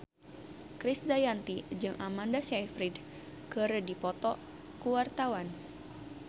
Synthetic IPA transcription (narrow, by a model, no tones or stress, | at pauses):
kɾisdajant̪id͡ʒɨŋʔamandasajfɾid | kəɾədipɔt̪ɔ | kuwart̪awan